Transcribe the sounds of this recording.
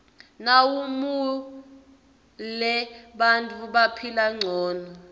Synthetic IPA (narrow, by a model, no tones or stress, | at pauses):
nawumu | lɛɓantʼuɓapʰilaŋ͡ǀʱɔːnɔ